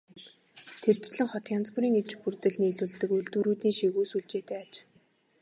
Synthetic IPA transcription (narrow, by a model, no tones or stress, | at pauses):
t̪ʰert͡ɕɮɘ̆ŋχɔt̪jant͡spuɾiːŋet͡ɕpurt̪ɘ̆ɮniːɮŭːɮt̪ɘ̆kuɮt̪uːɾuːt̪iːŋʃiɣuːsuɮt͡ɕeːt̪eːat͡ɕ